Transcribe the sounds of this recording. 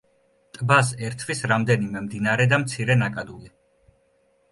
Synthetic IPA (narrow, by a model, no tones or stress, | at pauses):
t̪ʼbasɛɾt̪ʰwisɾamd̪ɛnimɛmd̪inaɾɛd̪amt̪sʰiɾɛnakʼad̪uli